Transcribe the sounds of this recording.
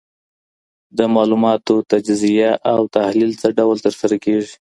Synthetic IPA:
d̪əmɑlumɑt̪ot̪ad͡ʒzijaʔawt̪ahlilt͡səɖawlt̪əɾsaɾakeʐi

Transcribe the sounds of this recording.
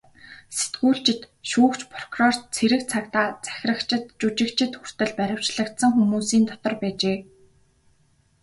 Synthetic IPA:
se̥t̪ɡuːɬt͡ɕɪ̆t̪ | ʃuːkt͡ɕpʰrɔ̥krɔr̥t̪t͡sʰeɾɘ̆kt͡sʰakt̪aːt͡sæ̥xʲrə̆kt͡ɕɪ̆t̪t͡ɕut͡ɕɪ̆kt͡ɕʰɪ̆t̪xur̥t̪ɘ̆ɮpæɾʲə̆w̥t͡ɕɮə̆kt̪sə̆ŋxumuːsiːnt̪ɔt̪ɞ̆rpæːt͡ɕeː

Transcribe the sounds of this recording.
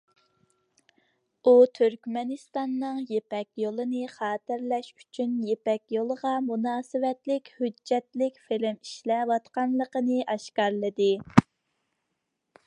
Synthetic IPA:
ut̪ʰyɾkʲmɛnɨst̪ɑnːɨŋjepɛkʲjolˠɨnɨχɑːt̪ɪɾlɛʃy̥t͡ʃʰynjepɛkʲjolˠəʁɑmunɑːsɨwɛt̪lɪkʲhyd͡ʒːɛt̪lɪkʲfelɪmiʃlɛwɑt̪qɑnlˠəqənɨʔɑʃkɑɾlˠəd̪ɨ

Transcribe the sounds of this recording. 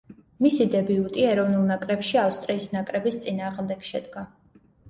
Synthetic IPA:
misid̪ɛbiut̪ʼiɛɾɔvnulˠnakʼɾɛpʃiafst̪ʼɾiːsnakʼɾɛbist̪sʼinaːʁmd̪ɛɡ̥ʃɛd̪ɡa

